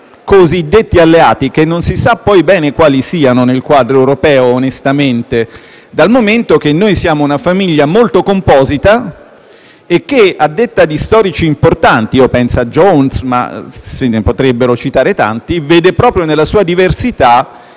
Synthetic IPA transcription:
kozid̪ːet̪ːialːeaːt̪ik̟enːonsisapːɔjbɛːnekwaːlisiːanonelkwaːd̪ɾoewɾopɛːoːnest̪ament̪e | d̪almoment̪ok̟enːojsjaːmounafamiʎːamolt̪okompɔːzit̪a | ek̟ːead̪ːet̪ːad̪ist̪ɔːɾit͡ʃiːmport̪ant̪iopɛnsad͡ʒonsma̰senepot̪ɾebːeɾot͡ʃit̪aːɾet̪a̰nt̪iveːd̪epɾɔːpɾjonelːasuːad̪iversit̪a

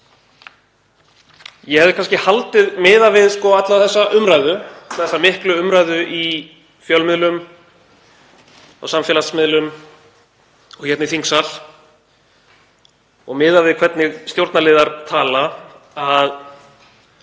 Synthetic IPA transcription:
jɛhɛvðɪkʰans̬cɪhalt̪ɪðmɪːðavɪðskɔat̪laθɛsːaʔʏmɾajðʏaθɛsːamɪhklʏʏmɾajðʏʔi | fjœlmɪðlʏm | a̰wsamfɛlasmɪðlʏm | ɔɣhçɛt̪nɪθiŋksal̥ | ɔɣmɪːðavɪðkʰvɛt̪nɪɣst̪jowɾt̪nalɪːðaɾt̪ʰaːla | að

